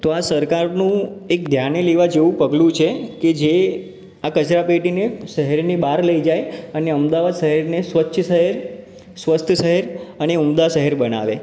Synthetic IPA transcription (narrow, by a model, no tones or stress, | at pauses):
t̪oasəɾkaɾnũek̚d̪ʱjaneleʋad͡ʒeʋũpəɡlũt͡ʃʰeked͡ʒe | akət͡ʃɾapeʈineʃəɦɛɾnibaɾləid͡ʒajəneəmd̪aʋad̪ʃəɦɛɾnesʋətːʃʰəʃəɦeɾ | sʋəst̪ʰəʃəɦeɾəneumd̪aʃəɦeɾbəna̰ʋe